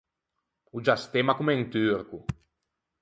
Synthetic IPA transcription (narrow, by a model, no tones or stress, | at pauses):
ud͡ʒast̪emakumɛŋt̪yɾku